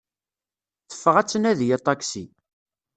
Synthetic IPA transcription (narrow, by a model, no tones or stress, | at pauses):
θə̥fːəʁæt͡sːənæðjɑt̪ˤːɑksi